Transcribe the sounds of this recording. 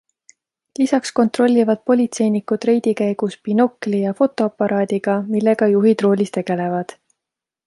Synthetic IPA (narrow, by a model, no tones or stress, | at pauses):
lisɑksko̞nt̪ro̞lʲːivɑd̪̥̚po̞lʲit̪se̞jnikud̪̥re̞jd̪̥ikæjɡ̥uspino̞klijɑfo̞t̪ːˑo̞ɑpːɑɾʔɑːd̪iɡ̥ɑmilːe̞ɡ̥ɑjuɦid̪̥ro̞ːlʲist̪e̞ɡ̥e̞le̞vɑd̪̥